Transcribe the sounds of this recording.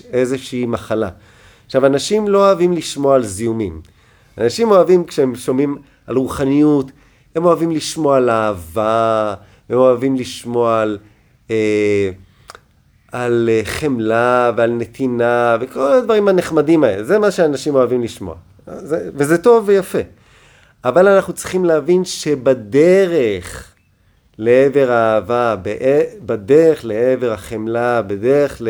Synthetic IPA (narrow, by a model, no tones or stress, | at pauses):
ezeʃeimaχala̰ | χʃavanaʃimlo̞oavimliʃmoaalzijumim | anaʃimo̞avimkʃeemʃomim | alʁuχanijut | hemo̞avimliʃmo̞aalaːva | hemoavimliʃmo̞al | e | aleχemlavealnet̪ʰinavekolad̪vaʁimhaneχmadimaelezemaʃeanaʃimo̞avimliʃmo̞̰a̰ | zevezet̪o̞vːejafe̞ | avalanaχnut͡sʁiχimleavinʃebad̪eʁeχ | leeve̞ʁaːvabeʔebad̪eʁeχleeve̞ʁaχemlabed̪eʁeχle